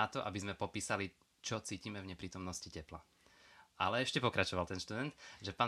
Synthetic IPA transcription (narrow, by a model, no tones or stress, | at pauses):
at̪ɔʔabizmɛpɔpiːsali | t͡ʃɔt͡siːcimɛvɲɛpɾiːt̪ɔmnɔscicɛpla | ʔa̰lɛɛʃcɛpɔkɾat͡ʃɔʋalt̪ɛnʃt̪ud̪ɛnt̪ʒɛpaː